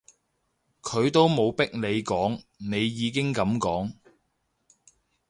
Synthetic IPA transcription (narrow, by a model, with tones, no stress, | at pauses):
kʰɵ˨˧ɥt̪o˥wmo˨˧wpɪ˥k̚nle˨˧jkɔː˨˥ŋne˨˧jjiː˨˧k̬ɪ˥ŋkɐ˨˧mkɔː˨˥ŋ